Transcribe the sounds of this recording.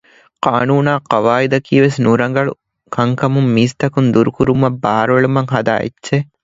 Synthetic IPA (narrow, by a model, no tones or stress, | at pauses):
qaːnuːnaːqɐʋaːid̪ɐkʰiːʋesnuɾɐŋɡɐɭṵ | kʰɐŋkɐmumːiːst̪ɐkund̪uɾukuɾumɐbːaːɾʋeɭumɐŋɦɐd̪a̰ːḛtːʃe